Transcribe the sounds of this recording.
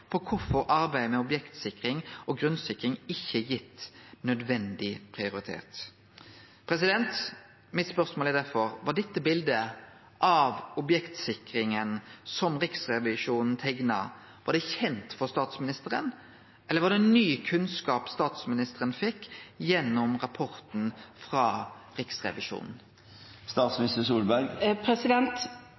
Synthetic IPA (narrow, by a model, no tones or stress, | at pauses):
pʰɔkʰʊfɔɾɑɾbæɪmɛɔbjɛkt̪sɪkɾɪŋɔɡɾʉnsɪkːʁɪŋɪçːəjɪt̪ːnœd̪ʋɛnd̪ɪpʰʁɪʊɾɪt̪ʰḛːt̪ | pʰɾɛs̬ɪd̪ɛnt̪ | mɪt̪spœʁsmoːlɪd̪æɾfɔɾʋɑɖ̪ɛt̪ːəbɪld̪ə | ʔɑʋɔbjɛkt̪sɪkʁɪŋənsɔmʁɪksʁɛʋɪʂuːnn̩t̪ʰɛɡnɑ̰ | ʋɑɖ̪ɛçɛnt̪fɔʁst̪ɑːt̪smɪnɪst̪əʁən | ʔɛlːəʋɑʁd̪ɛnːyːkʰʉnskɑːpst̪ɑːt̪smɪnɪst̪əɾənfɛkːjɛnːɔmʁɑpʰɔʁt̪n̩fʁɑːʁɪksʁɛ̰ʋɪʃṵːnn̩ | st̪ɑːt̪smɪnɪst̪əsuːlbæɾɡpʰɾɛsɪd̪ɛnt̪